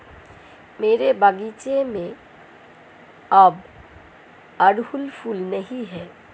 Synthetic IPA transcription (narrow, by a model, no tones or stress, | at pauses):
meːɾebaɡit͡ʃemẽ | ɐb | ɐɽɦʊlpʰulnɛɦiɦɛː